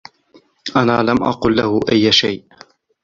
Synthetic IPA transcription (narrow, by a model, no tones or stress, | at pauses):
ʔanaːlamʔɑ̰qʊːlːahʊʔajːʃajʔ